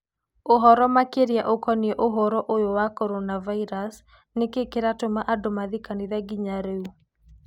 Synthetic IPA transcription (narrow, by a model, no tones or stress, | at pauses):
oɦɔɾɔmakeɾjaʔokɔniɛʔoɦɔɾɔʔojowakɔɾonavaiɾas | nekekeɾatomaʔadomaðikaniðaɡiɲaɾeu